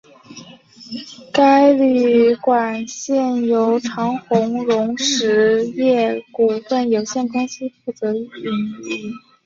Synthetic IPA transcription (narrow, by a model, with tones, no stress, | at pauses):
ka˥ɪly˨˩kwa˨˩nɕjɛ˥˩njo˧˥ʊʈ͡ʂʰɑ˧˥ŋxʊ˧˥ŋɻʊ˧˥ŋʂɻ̩˧˥jɛ˥˩ku˨˩fə˥˩njo˨˩ʊɕjɛ˥˩nkʊ˥ŋɕi˥fu˥˩t͡sɤ˧˥y˥˩i˥˩n˥˧˥